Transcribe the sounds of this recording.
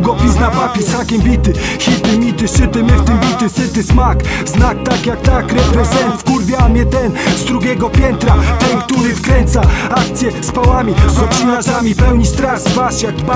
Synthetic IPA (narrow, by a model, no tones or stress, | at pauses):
ɡɔpʲiznapapʲɛsmakʲɛmbʲit̪ɘxʲit̪ɪmʲit̪ɘsɘt̪ɘmɘft̪ɘmbʲit̪ɘsɘt̪ɘsmak | znak̚t̪akjakt̪akɾɛpɾɛzɛnt̪fkuɾbʲjamʲjɛt̪ɛnzd̪ɾuɡʲɛɡɔpʲjɛnt̪ɾat̪ɛnkt̪uɾɘfkɾɛnt̪saakt̪sʲjɛspawamʲizɡɔt͡ɕinaʐamʲipɛwɲist̪ɾazvaʂjak